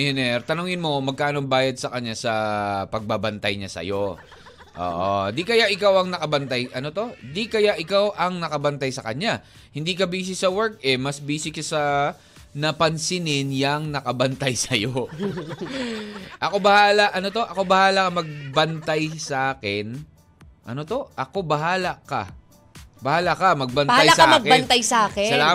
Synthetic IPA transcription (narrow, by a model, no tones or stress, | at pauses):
ɛnɛɾt̪ɐnʊŋɪnmo̞mɐɡ̚kːaːʔnobaːjɐd̪̚sɐkɐɲːasɐpɐɡ̚babɐnt̪ɐjɲasɐ̰jo̞ | ʔo̰ːʔond̪ikɐjaʔɪkawɐŋnɐkɐbɐnt̪ajʔɐnot̪o̞d̪ikɐjaʔɪkawʔɐŋnɐkɐbɐnt̪ajsɐkɐɲa | hɪnd̪iːkɐbiːs̬ɪsɐwɛɹk̚ɛmɐsbiːsɪkɐsɐ | nɐpɐnsɪnɪnjɐŋnɐkɐbɐnt̪ajsɐjo | ʔɐko̞bɐhaːlɐʔɐnot̪o̞ʔɐko̞bɐhaːlɐkɐmɐɡ̚bɐnt̪ajsɐʔaːkɪn | ʔɐ̰no̞t̪o̞ʔɐko̞bɐɦaːlɐkɐ̰ | bɐhaːlɐkɐmɐɡ̚bɐnthajlasɐaamɐɡ̚bɐnt̪ajsɐʔaːkɪsɐlaː